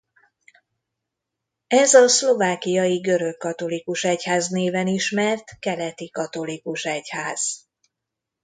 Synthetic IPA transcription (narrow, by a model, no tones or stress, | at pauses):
ɛzɒslo̞vaːkijɒjiɡø̞ɾø̞kːɒt̪o̞likuʃɛchaːzneːvɛniʃmɛrt̪kɛlɛt̪ikɒt̪o̞likuʃɛchaːz̥